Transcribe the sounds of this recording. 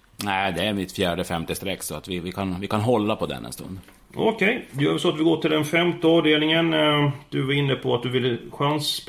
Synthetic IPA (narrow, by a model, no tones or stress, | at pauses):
næɪd̪ɛæɾmɪt̪fjæːɖəfɛmt̪əst̪ɾɛkːsɔat̪vɪvɪkʰanvɪkanɦɔlːapʰɔd̪ɛ̰nːɛ̰nst̪ɵ̰nd̪ | ɔ̰kʰɛjd̪ɵjœːɾvɛlsɔat̪vɪlɡoːʈ̪ʰɪld̪ɛnfɛmt̪əɔːvɖeːlnɪŋənd̪̥ɵvaɾɪnːəpʰɔat̪̚d̪ɵvɪlːəɧans